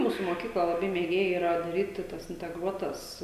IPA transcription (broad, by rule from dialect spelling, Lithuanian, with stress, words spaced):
ˈmuːsʊ moːˈkʲiːklˠɐ lˠɐˈbɐɪ mʲeːˈɡʲeːjɛ iːˈrɐ dɐˈrʲiːtʲɪ tɐs ɪnʲtʲɛˈɡruɔtɐs